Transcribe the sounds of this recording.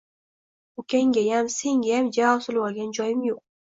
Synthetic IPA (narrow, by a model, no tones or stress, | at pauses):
ʊkʲʰaŋɡʲajamse̞ŋɡʲajamd͡ʒavɒbsʊlˠbɒɾɡʲand͡ʒɒjɪmjoq̚